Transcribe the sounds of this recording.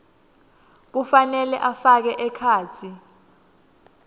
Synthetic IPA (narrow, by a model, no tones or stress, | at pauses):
k̬ufanɛlɛʔafak̬ɛʔɛkʰaːt͡sʰi